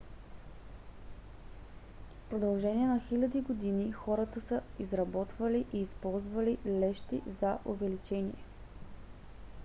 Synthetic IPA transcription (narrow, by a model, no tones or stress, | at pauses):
fpɾod̪ɐlˠʒɛniɛnɐxilʲɐd̪iɡod̪inixɔɾət̪əsəizɾɐbɔt̪vɐliʔiːspɔlˠzvɐlilɛʃt̪ḭzɐʔovɛlit͡ʃɛnḭɛ